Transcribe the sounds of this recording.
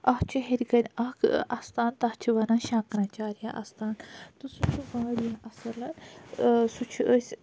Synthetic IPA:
ɐɦt͡ʃʰuɦeɾʲɡɐnʲɐkʰast̪aːnt̪ɐɦt͡ʃʰuʋɐnãːʃãːknaːt͡ʃaːɾjãʔɐ̰st̪aːnt̪usut͡ʃʰuɡãːɽijaʔɐsɐlɐn | sut͡ʃʰuəsʲ

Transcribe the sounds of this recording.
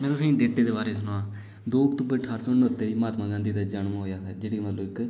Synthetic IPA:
mɛ̃ːt̪ʊsĩːɖeːʈeːd̪eːbaːɾeːsʊnãaː | d̪oːkt̪ʊbeʈʰaːɾsoːnəːt̪ːeːiːmaːt̪mãːɡãːnd̪iːd̪aːd͡ʒaːɳmãːɦoːjaːsɛːd͡ʒeːɽiːmət̪ləɪk

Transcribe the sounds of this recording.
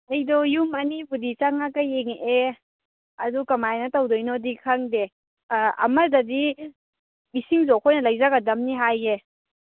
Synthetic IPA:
ɐjdɔjumanibudit͡ʃaŋakajeŋʔe | ɐdukɐmajnɐtawdojnɔdikʰaŋde | ɐ̰mɐdɐdi | bisiŋzɔkʰojnɐlajzaɡadɐmniɦaje

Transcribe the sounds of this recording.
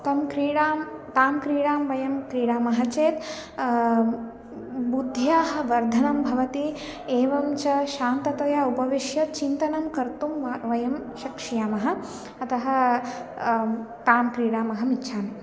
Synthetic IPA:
t̪ɐmkɾiːɽaːmt̪aːmkɾiːɽaːmʋɐjɐmkɾiːɽaːmɐɦɐt͡ʃeːt̪ | bud̪ʱjaːɦɐ̆ʋɐɾd̪ʱɐnɐmbʱɐʋɐt̪i | eːʋɐmt͡ʃɐʃaːnt̪ɐt̪ɐjɐupɐʋiʃjɐt̪̚t͡ʃint̪ɐnɐmkɐɾt̪umʋɐjɐmʃɐkʂijaːmɐɦɐ̆ | ɐt̪ɐɦɐ̆ | t̪aːmkɾiːɽaːmɐɦɐmitːʃʰaːmi

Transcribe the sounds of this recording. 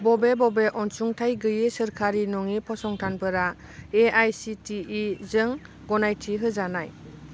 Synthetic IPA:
bɔbebɔbeʔɔnsuŋtʰajɡɯjesɯɾkʰaɾinɔŋipʰɔsɔŋtʰanpɯɾa | eajsitiizɯŋ | ɡɔnajtʰiɦɯzanaj

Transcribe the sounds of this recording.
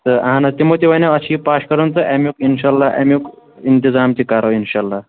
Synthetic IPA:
t̪əɐɦãnat̪imoːt̪iʋanaɐɕiːpaːɕkəɾənt͡səʔɛmjukinɕaːlːaʔɛ̰mjukint̪izaːmt͡ɕikaɾoinɕalːaː

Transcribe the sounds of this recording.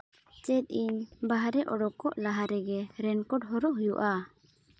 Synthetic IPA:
t͡ʃɛt̪̚ˀiɲbaɦaɾɛʔɔɽɔkɔʔlaɦaɾɛɡɛɾɛnkɔʈɦɔɾɔʔɦujuʔa

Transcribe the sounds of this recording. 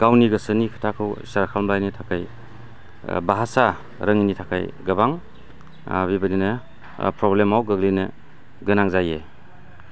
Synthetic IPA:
ɡ̥awniɡɐsɯnikʰḁtʰakʰɯwsaɾkʰalbajnitʰakʰaj | baɦasa | ɾəŋinitʰakʰa̰jɡɐbaŋ | bibanine | pɾɔblemawɡɐɡline | ɡɯnaŋzaje

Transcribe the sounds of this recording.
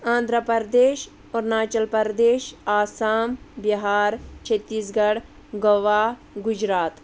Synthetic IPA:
ãːnd̪ʱɾəpɐɾd̪eːʃ | oːɾnaːt͡ʃɐlpɐɾd̪eːʃaːsaːmbɐɦaːɾt͡ʃʰet̪ːiːsɡɐɽ | ɡɐʋaː | ɡʊd͡ʒɾaːt̪

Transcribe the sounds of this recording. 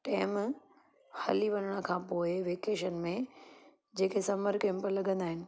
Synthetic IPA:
ʈɛːm | hɐ̰liʋɐnəɽ̃ə̆kʰãːpoːɪʋeːkeːʃənmẽ | d͡ʑeːkʰesɐməɾkẽmpəlɐɡə̃nd̪aːɦɪnɪ̆

